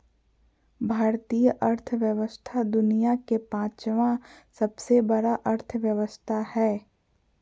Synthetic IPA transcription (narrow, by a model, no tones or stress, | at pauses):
bʱaːɾt̪ijəʔɐɾt̪ʰʋjəʋəst̪ʰad̪ʊnijakepãːt͡ʃʋãsɐbsebɐɽaʔɐɾt̪ʰʋjəʋəst̪ʰahɛː